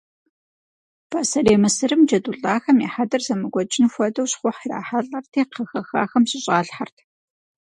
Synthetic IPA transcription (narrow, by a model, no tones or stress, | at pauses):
b̥ʰaːsɐreːmɨsɨrɨmd͡ʒɐduɬʼaːxɐmiːħadɐrzɐmɨɡʷɔd͡ʒʼɪnxʷɔdɐwɕχʷʊħira̰ːħaɬʼɐrtʰeːqʰɐxɐxa̰ːxɐmɕɪɕʼaːɬħartʰ